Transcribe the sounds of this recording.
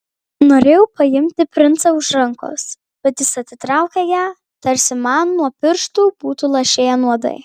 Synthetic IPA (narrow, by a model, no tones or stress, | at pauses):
noːɾʲeːjɛʊpɐjɪmʲt̪ʲɪpʲɾʲɪnt̪sɐʊʃɾɐŋko̰ːs | b̥ʲɛt̪jʲɪsɐt̪ʲsʲɪt̪ɾɑˑʊkʲɛjæː | t̪ɐɾʲsʲɪmɑnːuɔpʲɪɾʃt̪uːb̥uːt̪ulˠɐʃʲeːjɛnuɔd̪ɐ̰ɪ